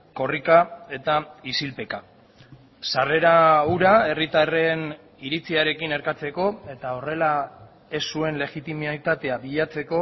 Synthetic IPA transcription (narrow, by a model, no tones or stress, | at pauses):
ko̞rikae̞t̪aisilpe̞ka | sare̞ɾauɾae̞rit̪are̞n | iɾit͡siaɾe̞kine̞ɾkat͡se̞ko̞e̞t̪ao̞re̞la | e̞sːue̞nle̞ɣit̪imt̪at̪e̞aβiʎat͡se̞ko̞